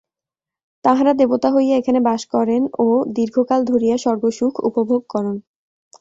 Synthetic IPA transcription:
t̪aɦaɾad̪ebot̪aɦojaekʰanebaʃkɔɾenod̪iɾɡʱokald̪ʱoɾijaʃɔɾɡoʃukʰṵpobʱoɡ̚kɔɾon

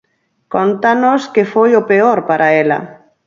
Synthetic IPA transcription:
kont̪anoskefojopeoɾpaɾʔaela̰

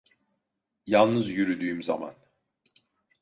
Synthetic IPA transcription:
jalˠnɯzjyɾyd̪yːymzama̰n

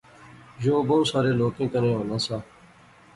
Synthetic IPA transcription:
joːboːsaːɾeːloːkẽːkəɾẽːɦoːnãːsaː

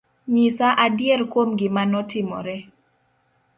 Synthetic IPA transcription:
ɲisaʔadjɛrkwomɡɪmanɔtɪmɔ̰ɾɛ

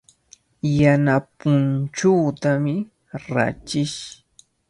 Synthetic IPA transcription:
janapʊnt͡ʃaːt̪amɪ | ɾa̰t͡ʃɪʃ

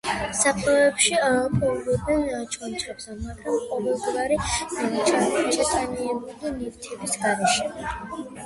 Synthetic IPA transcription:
saqʼɛɛpʃiaɔpʰʼɔuɾɔbnɛnt͡ʃʰɔnt͡ʃʰabsɛmaɡɾamqʼɔvɛlˠd̪vaɾit͡ʃʰaɾt͡ʃʼɛt̪ʼaniɛnulinivt̪ʰɛbisɡaɾɛʃɛ

